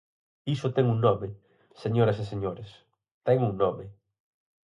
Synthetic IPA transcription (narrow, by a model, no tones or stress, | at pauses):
isʊt̪ɛŋuŋnɔmɪ | seɲoɾɐseseɲoɾes | t̪ɛŋuŋnɔmɪ